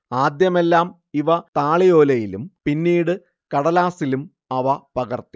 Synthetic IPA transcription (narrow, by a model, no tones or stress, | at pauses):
aːd̪jɐme̞lːaːm | iʋɐt̪aːɭijo̞ːlɐjilumpinːiːɽɨ | kɐɽɐlaːsilum | ɐʋɐpɐɣɐrt̪i̥